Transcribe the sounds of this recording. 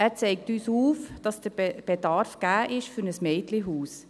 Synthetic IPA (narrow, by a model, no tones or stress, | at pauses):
æːɾt͡sɛɪk̚tyːsuːfd̥ɑsd̥əɾb̥edɑɾfɡ̥æːʔɪʃfʏɾnəsmɛɪtliɦuːs